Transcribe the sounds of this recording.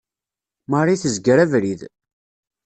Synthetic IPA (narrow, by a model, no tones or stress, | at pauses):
mərˤiθəzɡəɾævɾið